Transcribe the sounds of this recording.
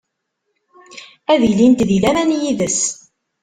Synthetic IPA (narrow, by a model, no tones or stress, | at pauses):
æðilint̪ðilæmænjiðəs